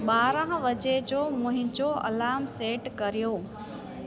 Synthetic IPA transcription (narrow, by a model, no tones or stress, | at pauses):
ɓaːɾə̃ɦʋɐd͡ʑed͡ʑoːmʊ̃ɦɪ̃d͡ʑoɐ̰laːmseːʈkɐɾijoː